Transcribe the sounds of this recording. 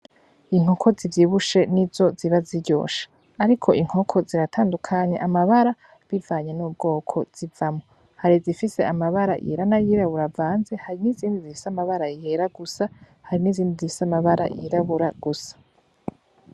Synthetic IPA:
iŋ̥ho̞kʰo̞zivjiβuʃe̞nizo̞ziβaziɟo̞̰ːʃḁː | ɾikʰo̞ʔiŋ̥o̞kʰo̞ziɾatʰaːndukʰaɲe̞ʔamaβaɾa | βivaːɲe̞nuːbɡo̞ːkʰo̞̰z̥ivamo̞ | haɾizifise̞ʔamaβaɾa̰ʔjḭɾanajiɾaβuɾavaːnzehaɾiniziːndizifi̥samaβaɾaiheɾaɡusa | haɾiniziːndizifi̥samaβaɾa̰jḭɾaβuɾaɡ̥usḁ

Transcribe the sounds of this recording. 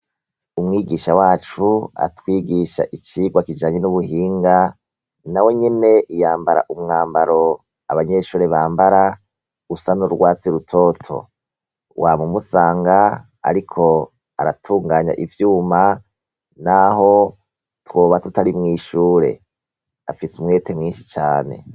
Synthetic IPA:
umŋiːɡiːʃawaːt͡ʃua̰twiːɡiʃa̰ʔit͡ʃiɡwakid͡ʒaːɲenuβuhiːŋɡa | nawe̞ɲine̞ʔijaːmbaɾa̰ʔumŋaːmbaɾo̞ | a̰βaɲe̞ʃuːɾe̞βaːmbaɾa | usanuɾɡwaːt͡siɾutʰo̞ːtʰo̰ | wʔamumusaːŋɡa | a̰ɾikʰo̞ | a̰ɾatʰuːŋɡaːɲa̰ʔivjuːma | naɦo̞ | twoːβatutaɾimŋiːʃuːɾe̞̰ | a̰fisumŋe̞ːtemŋiːnʃi̥t͡ʃaːne̞̰

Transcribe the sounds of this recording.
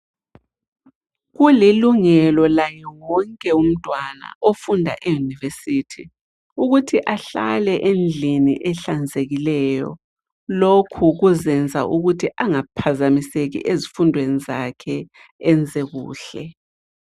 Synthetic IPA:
ɣuliluŋɛlɔlajɛwɔŋkʼɛum̩tʼwana̰ʔofundʱa̰ʔɛjunivesitʰi | uɣutʰiʔaɬa̰lɛʔend͡ɮʱinḭʔɛɬand͡zʱeɣilɛːjɔ̰ | lokʰuɣuzɛnd͡zʱa̰ʔuɣutʰiʔaŋapʰazamiseɣḭʔezifundʱwenizakʰɛ | ɛnd͡zʱeɣṵːɬɛ

